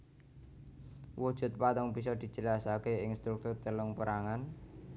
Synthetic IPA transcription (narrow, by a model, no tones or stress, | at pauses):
wud̥ʒ̥ṳt̪̚pat̪ɔŋb̥is̬ɔd̪̥i̤̥d͡ʒ̥ə̤lasakeɪŋst̪ɾuk̚t̪ʊrt̪əlʊŋpəɾaŋan